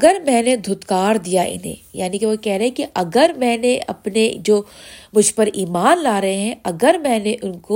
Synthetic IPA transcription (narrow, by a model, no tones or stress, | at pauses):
ɡəɾmɛ̃ːned̪ʱʊt̪kaːɾd̪ijaʔɪ̰nḛ̃ːja̰ːnikeʋokɛɦɾɐɦɛ̃kiʔɐɡəɾmɛ̃ːneɐ̰pned͡ʒoːmʊd͡ʒʱpɐɾiːmaːnlaːɾɐɦeɦɛ̃ɐɡəɾmɛ̃ːneʔʊnko